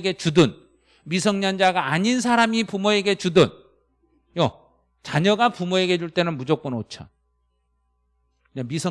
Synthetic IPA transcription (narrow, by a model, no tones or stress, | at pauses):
ɡe̞t͡ɕudɯn | misʰʌŋɲand͡ʑaɡaːɲins̬ʰaɾamipumoe̞ɡe̞t͡ɕudʌn | jʌ | t͡ɕaɲʌɡapumoe̞ɡe̞d͡ʑuɭt͈e̞nɯnmud͡ʑok͈ɯnot͡ɕʰa̰ | kɯɲamisʰʌ